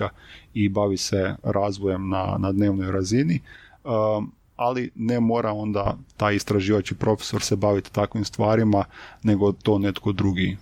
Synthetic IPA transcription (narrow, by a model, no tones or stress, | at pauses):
aibaʋiseɾaːzʋoje̞mna̰nad̪neːʋnojɾaziniə | alinemo̞ːɾao̞nd̪at̪aːjist̪ɾaʒiːʋat͡ʃkipɾo̞fe̥so̞ɾsebaʋit̪t̪akʋimst̪ʋaːɾimane̞ɡo̞t̪o̞ːne̞t̪ko̞d̪ɾuɡi